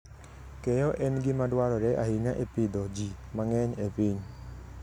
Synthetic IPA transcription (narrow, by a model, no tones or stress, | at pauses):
kɛjɔʔɛnɡɪmadwaɾɔɾɛʔa̰ɦiŋaʔepid̪ɔd͡ʒimaŋɛɲepiɲ